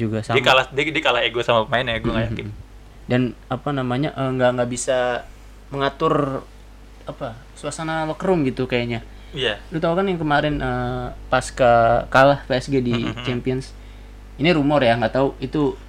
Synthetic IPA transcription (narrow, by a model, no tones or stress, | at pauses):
d͡ʒuɡasadikaladdikalaeɡuasamapəmaɪnaɡuaŋajakɪ | danapanamaɲaʔəŋɡaŋɡaʔbisa | məŋat̪ʊr | apa | suasanawəkəɾʊmɡit̪ukajaɲa | jalut̪aukanjaŋkəmaɾɪnʔəpaskakalahpeɛsɡedit͡ʃɛmpiɔns | iniɾumɔrjaŋɡat̪auʔit̪u